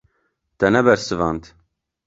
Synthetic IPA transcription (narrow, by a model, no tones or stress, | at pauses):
t̪ɛnɛbɛɾsɨvɑnt̪